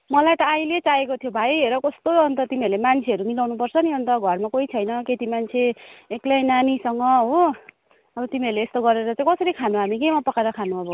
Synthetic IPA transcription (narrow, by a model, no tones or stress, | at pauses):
mʌlajt̪ʌajlet͡saekot̪ʰjobʱajɾʌkʌst̪oʌnt̪ʌt̪imiʌɾlemant͡sʰeʌɾumilawnupʌrt͡sʰʌniʌnt̪ʌɡʱʌrmakoit͡sʰʌjnʌket̪imant͡sʰeeklajnanisʌŋʌɦo | ʌbʌt̪imiʌɾrleːst̪oɡʌɾeɾʌt͡sãĩkʌsʌɾikʰanuɦamikemapʌkaɾʌkʰanũabʱʌ